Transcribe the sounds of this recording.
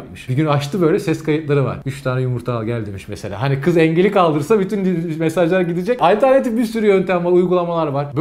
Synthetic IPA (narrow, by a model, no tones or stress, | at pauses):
kmɯʃbiɟynaʃt̪ʰɯbø̞jlʲɛsɛskʰajɯt̪lˠaɾɯva̰ɾ̥yt͡ʃt̪ʰaːnɛjumuɾt̪ʰaːlˠɟælʲd̪imiʃmese̞lʲa̰ːɦanikʰɯzɛɲɟelʲikalˠd̪ɯɾsabyt̪ʰynmesaʒlˠaɾɟid̪id͡ʒɛcalʲt̪æɾnet̪ifbiɾsyɾyjø̞nt̪ʰæmaɾujɡulˠamalˠaɾvaɾb